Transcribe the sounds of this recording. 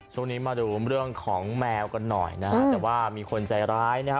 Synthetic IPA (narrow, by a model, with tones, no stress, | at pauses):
t͡ɕʰu˥˩˨ŋniː˦˥maː˧duː˧ɾɯ˥˩əŋkʰɔː˩˦ŋmɛː˧wka˧nːɔ̰˨˩jna˦kʰa˦˥t̪ːwaː˥˩miː˧kʰo˧nt͡ɕa˧jɾaː˦˥jna˦˥kʰ